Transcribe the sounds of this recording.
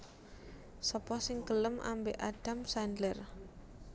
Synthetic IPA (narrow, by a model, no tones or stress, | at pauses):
sɔpɔsɪŋkələmʔa̰mbeʔaɖ̥a̤msandlər